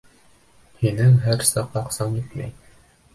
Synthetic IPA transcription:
hinɘŋɦæɾsɑqɑqsɑmit̪mæ̰j

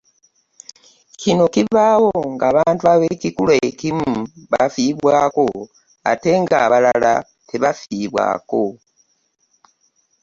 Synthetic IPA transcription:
kino̞kiβawo̞ŋɡaːβaːntuaβe̞kikuloekimuβafiβwaːko̞ | a̰te̞ŋɡaːβalala | tʰe̞βafiβwa̰ːko̞

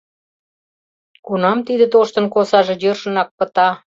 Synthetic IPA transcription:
kunɑmt̪id̪ĕt̪oʃt̪ə̆nkosɑʒĕjørʃə̆nɑk̚pə̆t̪ɑ

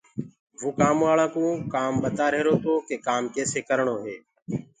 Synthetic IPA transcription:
ʋoːkaːmʋaːlãːkũːkaːmɓət̪aːɾeːɾoːt̪ʰoːkeːkaːmkeːseːkəɾɳoːɦeː

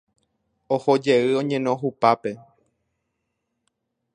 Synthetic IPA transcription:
oho̞d͡ʒeɨõ̞ɲẽ̞nõɦupape̞

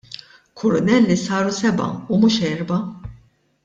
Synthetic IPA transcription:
kʰʊɾʊnɛlːisɐːɾusɛbɐ̰umuːʃɛːɾbɐ

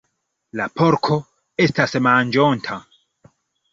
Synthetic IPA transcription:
lapoɾkʰo̞ | e̞stasmand͡ʒontʰa

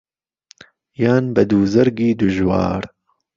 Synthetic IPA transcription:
jaːnbɐd̪uːzɐɾɡiːd̪ʊʒwɑ̰ːɾ

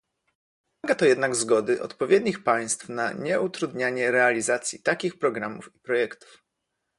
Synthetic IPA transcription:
aɡat̪ɔjɛd̪naɡzɡɔd̪ɘʔɔ̰t̪pɔvʲjɛd̪ɲixpaj̃st̪fnaɲɛʔut̪ɾud̪ɲaɲɛɾɛalʲizat̪sʲjit̪akʲixpɾɔɡɾamṵfipɾɔjɛkt̪u̥f

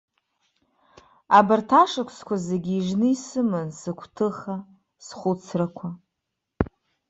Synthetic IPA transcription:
abartʰaʂakʷʰskʷʰazeɡʲiːʐnɨisɨmɨnsɨkʷʰtʰɨχa | sχʷʊt͡sʰrakʷʰa

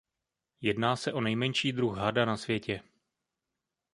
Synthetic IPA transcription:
jɛdnaːsɛʔo̞nɛjmɛɲʃiːd̪ɾuxɦadanasvjɛcɛ

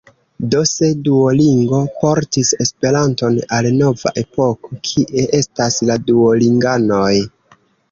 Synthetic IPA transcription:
do̞se̞duoliŋɡo̞po̞ɾtise̞spe̞ɾanto̞nalno̞va̰ʔe̞po̞kokʰiʔe̞ʔe̞stasladuoliŋɡanoj

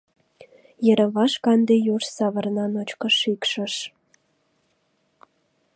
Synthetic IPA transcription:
jĕɾə̆βɑʃkɑnd̪ejuʃsɑβə̆rnɑnot͡ɕkə̆ʃikʃə̆ʃ

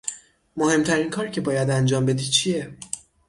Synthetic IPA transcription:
mohe̞mt̪ʰæɾiːnkʰɒːɾcʰe̞bɒːjæd̪ænd͡ʒɒːmbe̞d̪iːt͡ʃʰie

